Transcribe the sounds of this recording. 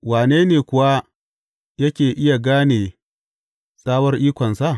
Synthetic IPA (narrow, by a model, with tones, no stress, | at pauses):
waː˨neː˦neː˨kʷʊ˨wa˦ | jɐ˦kʲeː˨ʔɪ˦ja˨ɡaː˦neː˨ | saː˦wɐ˦rʔiː˦kʷɔ˨nsa˦˨